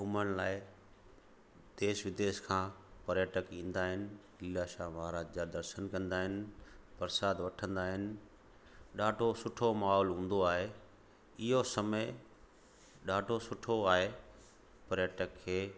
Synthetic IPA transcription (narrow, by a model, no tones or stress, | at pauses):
ɦʊmənlaːɪ | d̪eːʃʋɪd̪eːʃkʰãːpɐɾjəʈəkĩːn̆d̪aːɦɪnɪ̆ | ɪlaʃaːmaːɾaːd͡ʑd͡ʑad̪ɐɾʃənkɐ̃nd̪aːɦɪnɪ̆b̥ɐɾsaːd̪ʋɐʈʰə̃nd̪aːɦɪnɪ̆ | ɗaːɖʱosʊʈʰomaːɦɔːlɦũːn̆d̪oaːɦe | ɪɦosɐməɪ | ɗaːɖʱosʊʈʰoaːɦe | pɐɾjəʈəkʰːeː